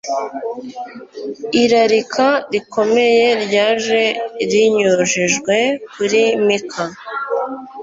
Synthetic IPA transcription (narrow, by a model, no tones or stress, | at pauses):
iɾaɾikʰaɾikʰo̞me̞je̞ɾɟaːʒe̞ɾiɲuʒiʒɡwe̞kuɾimikʰa